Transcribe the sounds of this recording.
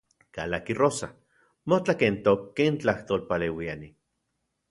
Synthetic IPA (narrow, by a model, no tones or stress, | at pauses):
ka̰lakirosa̰ | mot͡ɬakent̪okːent͡ɬaht̪oːlpaleːwiani